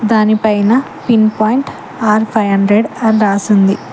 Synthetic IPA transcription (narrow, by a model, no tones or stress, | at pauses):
d̪aːnipɐjnɐ | pinpaːjɳʈ | aːɾpʰɐjɦɐɳɖɾeɖɐɾaːsund̪i